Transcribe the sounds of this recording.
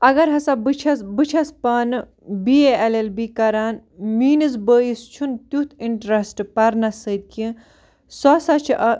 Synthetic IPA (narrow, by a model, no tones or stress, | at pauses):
ɐɡɐɾɦɐsabɨt͡ʃʰɐsbɨt͡ʃʰɐspɐːnɨ | bieelelbikɐɾaːnmiːnɨs̬bəːjist͡ʃʰunt̪jut̪ʰiɳʈɾɐsʈpɐɾnɐsəd̪̚kĩ | sɔsɐt͡ʃʰʔɐ